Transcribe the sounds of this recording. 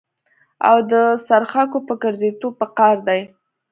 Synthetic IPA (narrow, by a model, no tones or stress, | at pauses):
a̰wd̪əsaɾxɑkopəɡəɾzet̪ob̚pəqɑɾd̪aj